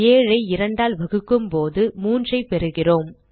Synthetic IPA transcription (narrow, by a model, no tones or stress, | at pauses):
eːɻɐɪɪɾɐɳɖaːlʋɐɣɯkːɯmpoːðɯmuːndrɐɪpːɛɾɯɣɪroːm